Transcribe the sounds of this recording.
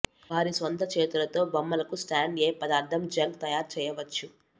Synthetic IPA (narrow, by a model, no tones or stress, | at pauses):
bʱaːɾisʋɐnt̪ʰɐt͡ʃeːt̪ulɐt̪o̞ːbɐmːɐlɐkusʈaːɳɖeːpɐd̪aːɾt̪ʰɐmd͡ʒɐŋɡt̪ɐjaːɾt͡ʃɛːjɐʋɐt͡ʃːu